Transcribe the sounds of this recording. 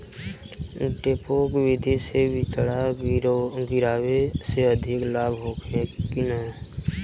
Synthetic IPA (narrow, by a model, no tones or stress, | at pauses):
ʈeːpokʋɪd̪ʱisewɪt͡ʃɽa | ɡɪɾaːweseəd̪ʱɪklaːbʱɦoːkʰekinɛ